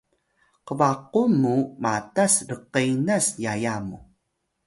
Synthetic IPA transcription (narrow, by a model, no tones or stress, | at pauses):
qəvaqumːumatasrəqəjnasjajamu